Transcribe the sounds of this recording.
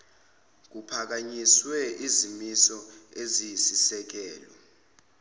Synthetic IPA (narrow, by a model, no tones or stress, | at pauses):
k̬upʰak̬aɲiswɛʔizimisɔezisisɛk̬ɛːlɔ